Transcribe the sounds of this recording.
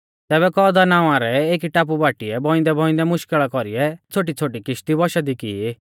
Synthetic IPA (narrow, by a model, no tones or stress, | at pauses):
t̪ɛːβɛkɔːd̪anãːãɾɛeːkiʈaːp̬ubaːʈiɛbɔ̃ɪ̃nd̪ɛbʱɔ̃ɪ̃nd̪ɛmʊʃkɪɭakɔɾijɛt͡sʰoːʈ̬it͡sʰoːʈikɪʃt̪ibɔʃad̪ikie